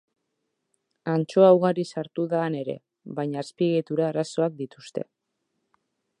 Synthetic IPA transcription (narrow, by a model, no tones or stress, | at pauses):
ant͡ʃo̞awɣaɾisaɾt̪uðaːne̞ɾe̞̰ | βaɲaːspiɣet̪uɾaːɾaso̞ak̚d̪it̪ust̪e̞̰